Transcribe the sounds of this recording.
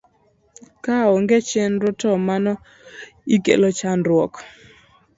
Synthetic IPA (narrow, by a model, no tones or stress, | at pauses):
kaɔŋɡet͡ʃenɾɔtɔmanɔ | ikḛlot͡ʃanɾwɔk